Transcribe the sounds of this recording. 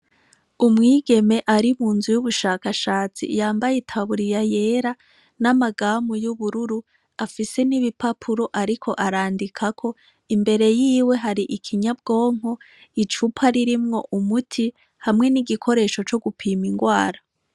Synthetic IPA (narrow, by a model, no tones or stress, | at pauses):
umŋiːɡe̞me̞ʔaɾimuːnzujuβuʃaːkaʃaːt͡sḭjaːmbajitʰaβuɾijaje̞ːɾa | namaɡaːmujuβuɾuɾu | afise̞niβipapʰuɾo̞ʔaɾikʰo̞ʔaɾaːndikʰakʰo̞ | imbe̞ɾe̞jiːwe̞ɦaɾiʔikʰiɲab̚ɡo̞ːŋ̥ɦo̞ | it͡ʃupʰaɾiɾimŋo̞ʔumutʰi | hamŋe̞niɡikʰo̞ɾe̞ːʃo̞t͡ʃo̞ɡupʰiːmiŋɡwaːɾa